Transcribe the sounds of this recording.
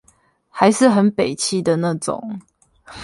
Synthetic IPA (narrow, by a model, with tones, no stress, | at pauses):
ha˧˦ɪʂɻ̩˥˨xə˨˦npe˨˩ɪt͡ɕʰi˥˩d̪ə˨na˥˨ʈ͡ʂʊ̰˨˩˦ŋ